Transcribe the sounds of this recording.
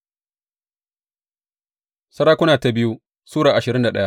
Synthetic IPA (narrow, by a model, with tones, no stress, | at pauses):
sɐ˦ɾaː˦kʷʊ˦naː˨ta˨bɪ˦ju˦ | suː˦ɽaː˨ʔa˨ʃɪ˨ɾɪ˦nda˨ɗɐ˦ja˦